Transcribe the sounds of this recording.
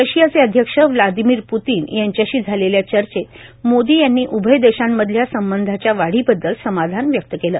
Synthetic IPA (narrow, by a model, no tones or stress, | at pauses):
ɾəɕijat͡seəd̪ʱjəkʂəʋlad̪imiːɾput̪iːnjaɲt͡ɕjaɕiːd͡zʱaleljat͡ɕəɾt͡ɕet̪mod̪iːjanːiːʔubʱəjd̪eɕamːəd̪ʱljasəmbənd̪ʱat͡ɕjaʋaɽ̤iːbəd̪ːəlsəmad̪ʱanʋjək̚t̪əkeləː